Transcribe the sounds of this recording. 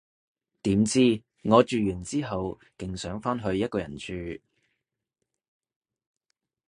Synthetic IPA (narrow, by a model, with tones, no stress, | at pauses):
t̪iː˨˥mt͡siː˥ | ŋɔː˨˧t͡ʃyː˨jyː˨˩nt͡siː˥ɦɐ˨w | kɪ˨ŋsœː˨˥ŋfaː˥nɦɵ˧ɥjɐ˥t̚kɔː˧jɐ˨˩nt͡ʃʰyː˨˧